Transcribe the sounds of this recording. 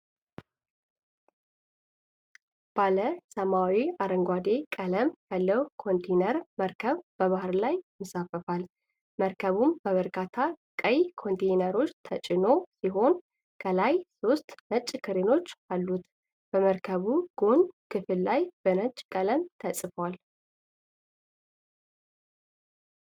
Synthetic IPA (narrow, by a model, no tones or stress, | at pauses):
b̥aləsəmawiaɾəŋɡʷad̪e̞kʼələmjalːəwkʰo̞nt̪ʰenəɾməɾkʰəβb̥əβahɨɾlajmɨsafəfal | məɾkʰəβumbəβəɾkʰat̪ʰakʼəjkʰo̞nt̪ʰejnəɾo̞t͡ʃːt̪ʰət͡ʃʼɪno̞siɦo̞n | kʰəlajso̞st̪mət͡ʃʼːkʰɨɾeno̞t͡ʃːalːut̪ | b̥əməɾkʰəβuɡ̥o̞nkʰɨfɨllajb̥ənət͡ʃʼkʼələmt̪ʰəsʼɨfwal